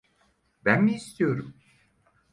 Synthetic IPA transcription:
bænmiːst̪ʰijo̞ɾum

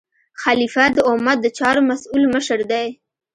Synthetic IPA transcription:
xalifad̪əʊmat̪̚d̪ət͡ʃɑɾomasulməʃəɾd̪aj

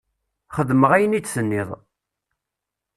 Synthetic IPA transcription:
χəðməʁæjənit͡sːsənːɪðˤ

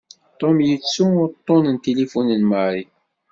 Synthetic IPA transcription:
t̪ˤomjət͡sːuʊɾt̪ˤːonənt̪elifunənmaɾi

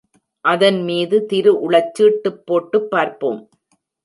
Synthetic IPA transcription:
ʔɐðɐnmiːðɯt̪ɪɾɯʔʊɭɐt͡ʃːɯːʈːɯpːoːʈːɯpːaːɾpo̰ːm

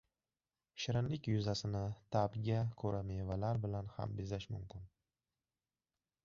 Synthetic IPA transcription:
ʃɪɾɪnlɪkʲjʊzasɪnɪt̪ʰabɡʲakʰɵɾamevalaɾbɪlanha̰mbɪzaʃmʊmkʰʲɪn

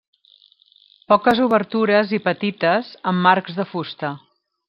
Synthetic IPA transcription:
pɔkəzuβəɾt̪uɾəzipət̪it̪əzəmːarɡzðəfust̪ə

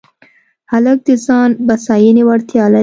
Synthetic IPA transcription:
halak̚d̪izɑnbasɑjinewaɽt̪ijɑla

